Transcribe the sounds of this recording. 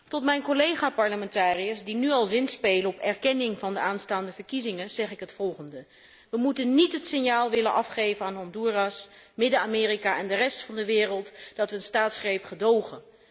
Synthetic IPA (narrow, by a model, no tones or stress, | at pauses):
tɔtmɛjnkolejχaːpɑɹləmɛntaːrijəsdinyɑlˠzɪnspejlənɔpɛɹkɛnɪŋvɑndəaːnstaːndəvəɹkizɪŋənz̥ɛχɪkɦətfɔlˠχəndə | ʋəmutənnitɦətsɪnjaːlˠʋɪlənʔɑfχejvənaːnɦɑnduːrɑsmɪdəaːmɪːrikaʔɛndərɛstfɑndəʋɪːrəlˠtd̥ɑtʋəːnstaːtsχrejpχədowχən